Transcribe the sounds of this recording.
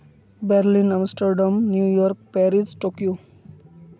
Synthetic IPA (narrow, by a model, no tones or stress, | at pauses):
bɛɾlinamsʈɔɾɖamnjujɔɾk̚pɛɾizʈokjo